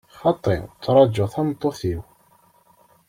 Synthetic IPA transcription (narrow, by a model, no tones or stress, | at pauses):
χɑt̪ˤːḛʁt͡sːɾˤɑd͡ʒːəθɑmt̪ˤːoθiw